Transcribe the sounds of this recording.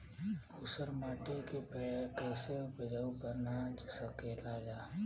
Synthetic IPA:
usəɾmaːʈekepɛkɛːsebəd͡ʒaupəɾnat͡ʃsəkelad͡ʒaː

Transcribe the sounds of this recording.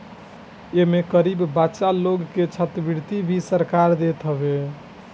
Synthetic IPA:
emekəɾibːatːʃaloɡket͡ʃʰət̪əbiɾt̪ibʱisəɾkaɾd̪et̪ɦəbe

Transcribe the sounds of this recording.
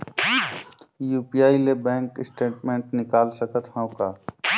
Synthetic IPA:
juːpijaːilebɛ̃ːŋkɪsʈeːʈmẽːɳʈnɪkaːlsəkət̪ɦãõkaː

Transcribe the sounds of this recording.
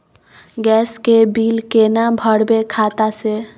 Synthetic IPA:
ɡɛːskebiːlkenabʱəɽbekʰaːt̪ase

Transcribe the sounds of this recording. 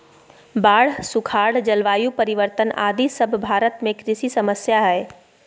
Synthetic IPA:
baːɽ̤sukʰaːɽ̤d͡ʒəlʋaːjupəɾiʋəɾt̪əna̰ːd̪ʱisəbʱbʱaːɾət̪mẽkɾɪsisəməsjaɦɛɪ

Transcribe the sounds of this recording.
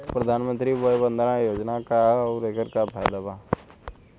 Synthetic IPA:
pɾəd̪ʱaːnmə̃nt̪ɾibɔjbə̃nd̪ʱɾãjoːd͡ʒnakaɔːɾeːkəɾkabʰʱajd̪aba

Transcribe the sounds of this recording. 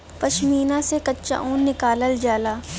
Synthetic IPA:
pɐʃmiːnãsekɐtːʃa̰ʔũːnnɪkaːləld͡ʒaːlaː

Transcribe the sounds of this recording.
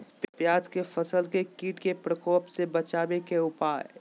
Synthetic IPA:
ppjaːd͡ʒkefɐsəlkekiːʈkepɾəkɔːpsebɐt͡ʃaːbekeʊpaːɪ

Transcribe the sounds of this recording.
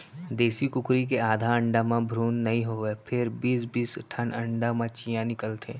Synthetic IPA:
d̪eːsikʊkɾik̬eaːd̪ʱaə̃ɳɖamãbʱɾuːnːɐɦĩɦoːʋepʰɪɾbiːs̬biːsʈʰənə̃ɳɖamãt͡ʃijãnɪkəlt̪ʰeː

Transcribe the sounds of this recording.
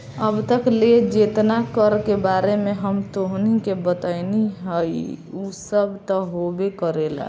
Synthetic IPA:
əbt̪əkled͡ʒet̪nakəɾkebaːɾemẽɦəmt̪oɦnikebət̪əɪniɦəjusəbt̪ɔɦobekəɾela̰

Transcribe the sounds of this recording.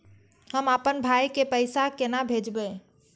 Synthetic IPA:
həməpənbʱajkepəjsakenabʱed͡ʒbe

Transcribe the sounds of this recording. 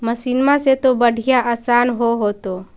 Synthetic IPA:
məsinmãset̪obəɽʱijaʔəsaːnɦoɦoːt̪o

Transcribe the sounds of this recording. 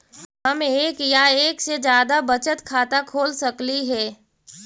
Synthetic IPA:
ɦɐmeːkjaeːksed͡ʒjaːd̪abət͡ʃət̪kʰaːt̪akʰoːlsɐkliɦɛː

